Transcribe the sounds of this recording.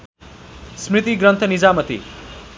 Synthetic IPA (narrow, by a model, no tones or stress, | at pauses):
smrit̪iɡrʌnt̪ʰʌnid͡zamʌt̪ḭ